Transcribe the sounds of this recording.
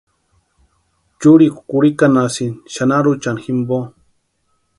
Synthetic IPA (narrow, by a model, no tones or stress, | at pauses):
t͡ʃuɾikʷukuɾikanasinʃanaɾut͡ʃanximbo